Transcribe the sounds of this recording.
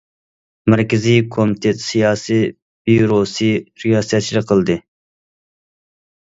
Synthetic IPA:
mæɾkʲɪzikʰomit̪ʰet̪sijɑːsi | biuɾosiɾiɑsijɑt̪t͡ʃiɾɨqʰəlˠd̪ɨ

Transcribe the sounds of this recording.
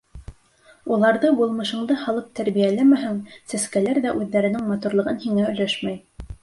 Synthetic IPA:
ulˠɑɾðɤbulˠmɤ̆ʃɤ̆ɴd̪ɤhɑlˠɤp̚t̪ʰæɾβijælæmæɦæŋsæskælæɾðæʔʉðːæɾɘ̆nɘŋmɑt̪uɾlˠɤ̆ʁɤnhiŋæɵ̆læʃmæj

